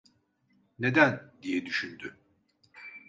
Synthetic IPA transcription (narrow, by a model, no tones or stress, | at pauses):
ne̞d̪ænd̪ijɛd̪yʃynd̪y